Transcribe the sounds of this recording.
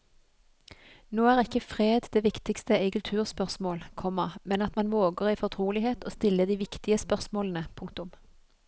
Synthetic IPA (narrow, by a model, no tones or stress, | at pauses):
noːæːʁɪkːəfʁeːd̪d̪eːʋɪkt̪ɪkst̪əʔɛɪkʉlt̪ʰʉːʁspœʁsmoːlkʰɔməmɛnɑt̪mɑnʋoːɡəʁiːfɔʁt̪ʰʁuːlɪheːt̪oːst̪ɪlːəd̪iːʋɪkt̪ɪəspœʁsmoːlən̩əpʰʊŋkt̪ʊm